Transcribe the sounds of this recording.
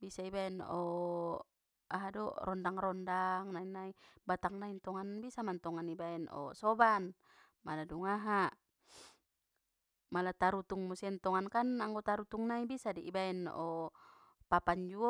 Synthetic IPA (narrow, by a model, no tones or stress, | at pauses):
bisaibaɛnɔ | aɦadɔrɔndaŋrɔndaŋnainaibat̪aŋnaint̪ɔŋanbisamant̪ɔŋanibaɛnɔ̰sɔban | maladuŋaɦa | malat̪aɾut̪uŋmusiant̪ɔŋankanaŋɡɔt̪aɾut̪uŋnaibisadiʔibaɛnɔ | papaɲd͡ʒuɔ